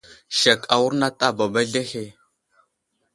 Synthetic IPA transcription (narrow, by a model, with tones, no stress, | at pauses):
ʃa˨ka˨wu˦ɾna˦ta˦ba˨ba˦ɮe˦he˦